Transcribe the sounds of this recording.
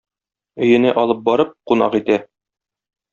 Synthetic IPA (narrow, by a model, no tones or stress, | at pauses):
ɵ̆jɘ̆næʔɒlˠɤp̚bɒɾɤp̚qunɑ̰qit̪æ